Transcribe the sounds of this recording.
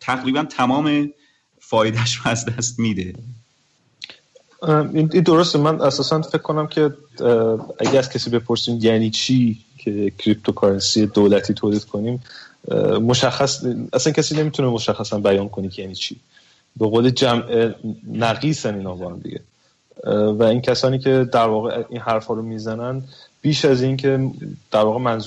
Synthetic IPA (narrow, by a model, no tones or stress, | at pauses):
t̪ʰæɣɾiːbænt̪ʰæmɒːme | fɒːjed̪æʃɾoæzd̪æst̪miːd̪e | inind̪o̞ɾost̪emænʔæsɒːsænfe̞kcʰːo̞næmcʰe̞ | æ̰ɟææzcʰæsiːbe̞pʰo̞ɾsiːmjæniːt͡ʃʰiː | cʰe̞cʰɾip̚t̪ʰokʰɒɾensied̪oːlæt̪ʰiːt̪ʰoːliːd̪̥kʰo̞niːm | moʃæxːæsæsæncʰæsiːne̞miːt̪ʰunemo̞ʃæxːæsænbæjɒːnkʰonik̪jæniːt͡ʃʰiː | be̞ɣoːled͡ʒæmʔenæɣiːsæniːnhɒːbɒhæmd̪ḭɟe̞̰ | væincʰæsɒːniːcʰe̞d̪æɾvɒːɣeʔinɦæɾfhɒːɾomizænænb̥iːʃæzincʰe̞d̪̥æɾvɒːɣemænz